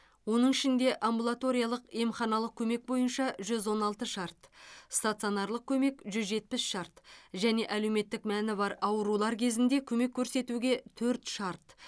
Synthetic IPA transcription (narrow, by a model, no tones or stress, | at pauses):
wo̞nəɴɪʃɪnd̪e̞ʔambulˠat̪o̞ɾijalˠəqe̞mχɑnɑlˠəq̚kʲʰɵme̞k̚bo̞jənʃɑʒʏzwo̞nɑlˠt̪əʃɑɾt̪st̪at̪sɨio̞nɑɾlˠəq̚kʲʰɵme̞kʒʏzʒe̞t̪̚pɪsʃɑɾt̪ʒæne̞ʔæle̞wme̞t̪ːɪkmænɪbɑɾɑwəɾulˠɑɾkʲʰe̞zɪnd̪e̞kʲʰɵme̞kʲʰːɵɾse̞t̪uɡʲe̞t̪ʰɵɾt̪ʃɑɾt̪